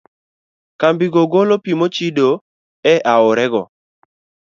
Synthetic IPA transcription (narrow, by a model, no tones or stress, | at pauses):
kambiɡoɡolopimot͡ʃido | ɛʔaʊɾɛɡɔ̰